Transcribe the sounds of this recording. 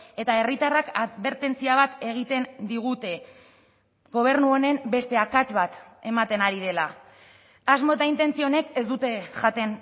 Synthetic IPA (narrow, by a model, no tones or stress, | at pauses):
e̞t̪ae̞rit̪arakat̪βe̞ɾt̪e̞nt͡siaβ̞at̪e̞ɣ̞it̪e̞nd̪iɣ̞ut̪e̞ | ɣo̞β̞e̞ɾnuo̞ne̞mbe̞st̪e̞akat͡ʃβat̪e̞mat̪e̞naɾið̞e̞la | azmo̞t̪aint̪e̞nt͡sio̞ne̞ke̞zd̪ut̪e̞ʝat̪e̞n